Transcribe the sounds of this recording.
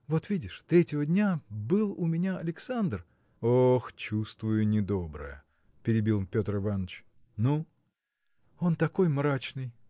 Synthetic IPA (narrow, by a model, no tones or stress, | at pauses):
vo̞t̪vʲidʲɪʂt̪ɾʲetʲɪvədʲnʲabɨlˠʊmʲɪnʲaɐlʲɪksand̪r | oxt͡ɕust̪vʊjʊnʲɪd̪o̞bɾə̰jə̰ | pʲɪɾʲɪbʲilˠpʲo̞t̪rɨvanət͡ɕ | nu | o̞nt̪ɐko̞jmɾat͡ɕnɨj